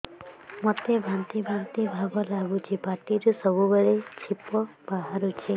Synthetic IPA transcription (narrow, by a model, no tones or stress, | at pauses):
mɔt̪ebʱant̪ibʱant̪ibʱabɔlaɡut͡ʃʰibaʈ̪iɾusɔbubeɭet͡ʃʰipɔ | b̥aɦaɾut͡ʃʰe